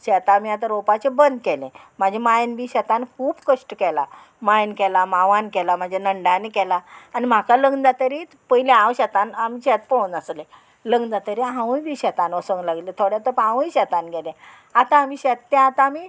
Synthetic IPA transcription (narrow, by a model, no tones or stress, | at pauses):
ɕɛt̪amiat̪aɾopat͡ɕebənd̪kɛlḛ̃m̤ad͡ʑʱemajnbʱiːɕɛt̪ãnkʰuːbkəʂʈkɛla | majnkɛlamaʋãnkɛlam̤ad͡ʑʱanəɳɖanikɛlaːnim̤akaləɡd̪at̪əɾi | pəilẽãwɕɛt̪anamiːɕɛt̪̚pəunəsle | ləɡd̪at̪əɾiɦãʋ̃jbʱiːɕɛt̪anəsəŋɡlaɡlet̪ʰoɽjat̪əpãʋə̃jɕɛt̪anɡɛlẽ | at̪ãːmiːɕɛt̪ːɛ̃at̪aːmi